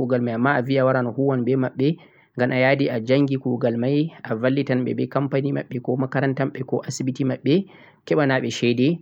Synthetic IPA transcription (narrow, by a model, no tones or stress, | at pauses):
uɡalmajʔamːaʔaviawaɾanahuwanbɛmaɓːɛ | ŋɡamʔajadiʔad͡ʒaŋɡikuɡalmajavalːitanɓɛ̰bɛkampaniːma̰ɓːɛkɔmakaɾantamɓɛkɔʔasibitimaɓːɛ | kɛɓanaɓɛʃɛdɛ